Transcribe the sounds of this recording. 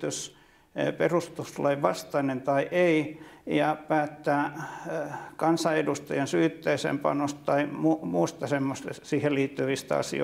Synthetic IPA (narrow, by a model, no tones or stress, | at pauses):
t̪ys | perust̪uslɑiʋɑst̪ɑinent̪ɑiʔeijɑpæːt̪ːæː | kɑnsɑedust̪ɑjɑnsyːt̪ːeisḛmpɑ̰nost̪tɑimumuːst̪ɑsemːost̪esiːheliːt̪ːyʋist̪æɑ̰sḭo̰